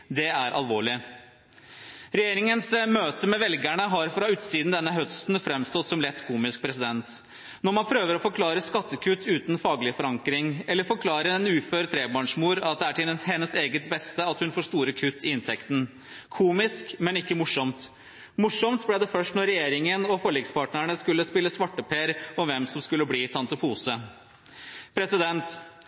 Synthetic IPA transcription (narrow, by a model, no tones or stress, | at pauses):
d̪ɛæɾʔɑ̰lʋoːɭɪ | ɾɛjeːɾɪŋənsmøːt̪əmɛʋɛlɡæɳəɦɑɾfɾɑʉːt̪siːd̪n̩d̪ɛnːəɦœst̪nfɾɛmst̪ɔt̪sɔmlɛt̪ːkʰuːmɪsk̚pʰɾɛsɪd̪ɛnt̪ | nɔɾmɑnpʰɾøːʋəɾɔfɔɾkʰlɑːɾəskɑt̪ːəkʰʉt̪ːʉːt̪nfɑːɡəlɪfɔɾɑŋkɾɪŋɛlːəɾfɔɾkʰlɑːɾəɛnʉːføːɾt̪ʰɾeːbɑːɳʂmuːɾɑt̪̚d̪ɛæʈʰɪhɛnːəseːɡət̪bɛst̪əɑt̪hʉnfoːʂt̪uːɾəkʰʉt̪ʰːɪɪnt̪ʰɛkt̪n̩ | kʰuːmɪskmɛnɪkːəmʊʂɔmt̪ | mʊʂɔmt̪blɛd̪ɛfœʂʈnɔɾɛjeːɾɪŋənɔfɔɭiːɡspʰɑːʈnəɳəskʉlːəspɪlːəsʋɑʈːəpʰeːɾɔʋɛmsɔmskʉlːəbliːsɑnt̪əpʰuːsə | pʰɾɛsɪd̪ɛnt̪